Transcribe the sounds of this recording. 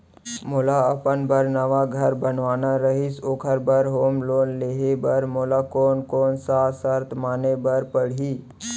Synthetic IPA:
mʊlaɐpənbəɾnəʋaɡʱɐɾbənʋaːnaɾəɦɪsoːkʰəɾbəɾɦoːmloːnleːɦebəɾmolakoːnkoːnsasəɾt̪ʰmaːnebəɾpəɽ̤iː

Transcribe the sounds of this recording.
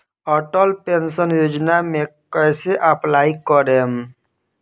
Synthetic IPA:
ɔʈəlpensənjoːd͡ʒnamẽkəjseʔəplaːikɔɾem

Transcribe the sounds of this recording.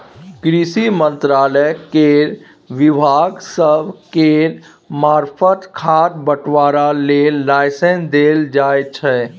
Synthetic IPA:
ɡɾisimə̃nt̪ɾaːləkeɾ | ʋɪbʱaːɡsəbʱkeɾ | maːɾpʰət̪kʰad̪bəʈʰʋaːɾalelaɪsẽnsd̪eld͡ʒaːjt͡ʃʰɛ

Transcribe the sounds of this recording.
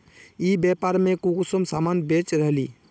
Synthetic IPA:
ibɛpaɾmekukusəmsamanbet͡ʃɾəɦli

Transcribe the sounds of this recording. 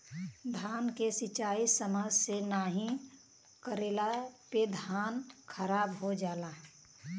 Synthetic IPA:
d̪ʱaːnkesɪt͡ʃaːisəmaːd͡ʒsenaːɦĩ | kəɾeːlaped̪ʱaːnkʰəɾaːbɦod͡ʒaːlaː

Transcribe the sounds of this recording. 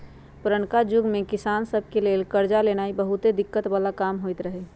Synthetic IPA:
pɾəɳkad͡ʒʊɡmẽkɪsaːnsəbʱkelelkəɾd͡ʒalenaːibəɦut̪ed̪ɪkːət̪baːlakaːmɦoit̪ɾəɦɛ

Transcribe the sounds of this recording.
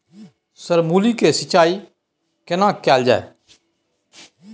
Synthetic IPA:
səɾmuːlikesət͡ʃaːi | kɪnãːkɛːld͡ʒa̰ːḛː

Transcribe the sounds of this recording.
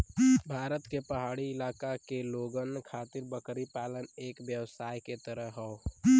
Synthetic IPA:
bʱaːɾət̪kepəɦaːɽiɪlaːkakeloːɡənkʰaːt̪ɪɾbəkɾipaːləneːkʋjəwsaːjket̪əɾəɦɦɔo

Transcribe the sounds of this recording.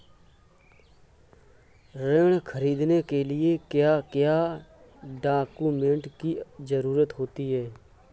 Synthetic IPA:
ɾeːɽ̃kʰəɾiːd̪nekelɪekjaːkjaː | ɖaːkumẽːɳʈkizəɾuːɾət̪ɦoːt̪iɦɛː

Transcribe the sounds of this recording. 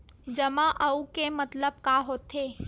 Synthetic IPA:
d͡ʒɐmãʔɐukemɐt̪ləb̚kaɦoːt̪eː

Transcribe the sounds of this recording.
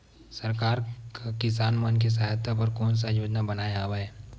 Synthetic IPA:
sɐɾkaːɾkakɪsaːnmənk̬is̬ɐɦat̪ʰːapɐɾkɔːns̬ajoːd͡ʒnabɐnaːjaːwaeː

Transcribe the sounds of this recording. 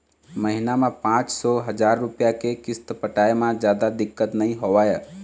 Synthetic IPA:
məɦinamẽpãːt͡ʃsɔɦəd͡ʒaːɾːʊpjakekɪst̪pəʈaːemãd͡ʒjaːd̪ad̪ɪkːət̪nəĩɦoʋaːje

